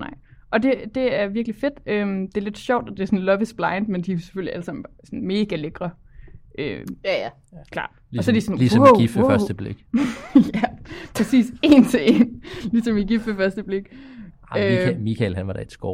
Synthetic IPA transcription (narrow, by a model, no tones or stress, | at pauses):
nɑ̰̈ɪ̰ʔɒ̽d̥e̝d̥e̝æɐʋiɐɡ̥life̝d̥ømd̥e̝æle̝d̥ɕɒʊ̰d̥ɒ̽d̥e̝æsɔ̽n̩lɒ̽ʋəsb̥lɑ̈ɪnd̥mend̥ise̥føliæləsɑ̈mn̩sɔnme̝ːɡ̥æleɡ̥ʁɐ | ʔø | kʰl̥ɑ̰̈ːd̥ɒ̽sɒɐd̥isɔnlisiffɶɐsd̥əb̥lḛɡ̥jæpʰʁɛsḭːse̝ːnt͡sʰe̝e̝nlisɒ̽miɡ̥ifəfɶɐsd̥əb̥le̝ɡ̥ | ømikʰɛlɦænʋɑ̈ɾ̥ɑid̥sɡ̥ɒ̰ː